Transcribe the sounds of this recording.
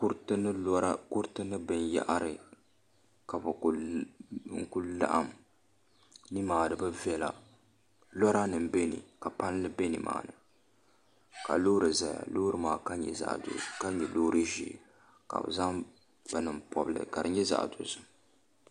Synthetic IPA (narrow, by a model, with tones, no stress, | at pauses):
kʊ˦ɾtnɨ˦ɾa˦kʊ˦ɾtɨ˦nɨ˦bɨ˨nja̰˦ʔa˦ɾɨ˨ | ka˨bɨ˨ | ŋ̩˨ku˦lla̰˦ʔa˦m | ni˦maː˨dɨ˨bɨ˦vɛ˦la̰˨ | lɔ˦ɾa˦nɨ˨m˨be˦nḭ˨ka˨pa˦n˦lɨ˦be˦ni˨ma̰ː˨nɨ˨ | ka̰˨loː˦ɾɨ˨za˨ja̰˨lo˦ɾɨ˨maː˨ka˦ɲɛ̰˨za̰˨ʔdo̰˨ka˦ɲɛ˨loː˦ɾɨ˦ʒḭ˨˦˨ | ka̰˨bɨ̰˨za˦ŋ | b̥ɨ˨nɨ˨mpʰɔ̰˨bɨ˦lɨ̰˨ka˨dɨ̰˨ɲɛ˦za̰˨ʔdo˨zɨ˦